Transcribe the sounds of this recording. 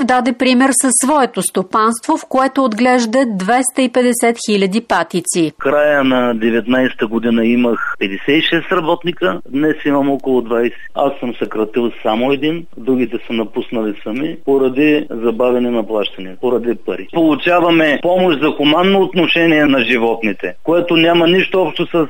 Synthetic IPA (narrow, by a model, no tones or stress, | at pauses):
vd̪ad̪ɛpɾimɛɾsɐsːvɔɛt̪ost̪opanst̪vofkoɛt̪oːd̪ɡlɛʒd̪ɐd̪vɛst̪ɐipɛd̪ɛsɛt̪xilʲɐd̪ipat̪it̪sikɾajənɐd̪ɛvɛt̪najsɛ̥t̪əɡod̪inɐimɐxpɛd̪ɛsɛt̪iʃɛst̪ɾɐbɔt̪nikəd̪nɛsimɐmɔkolˠod̪vajsɛ̥a̰sːəmsɐkɾɐt̪ilˠsamoɛd̪in | d̪ɾuɡ̟ʲit̪ɛsənɐpusnɐlisɐmipoɾɐd̪izɐbavʲɛnɛnɐplˠaʃt̪ɐnipoɾɐd̪ipɐɾipolˠʊt͡ʃavɐmɛpɔmoʃzɐxomanːoːt̪noʃɛniɛnɐʒivɔt̪nit̪ɛkoɛt̪onʲamɐniʃt̪oɔpʃt̪osɐs